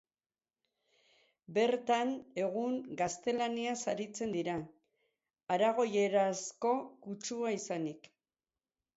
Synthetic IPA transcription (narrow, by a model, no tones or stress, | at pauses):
be̞ɾt̪ane̞ɣ̞uŋɡast̪e̞laniasaɾit͡se̞nd̪iɾa | aɾaɣ̞o̞je̞ɾasko̞kut͡ʃuaisanik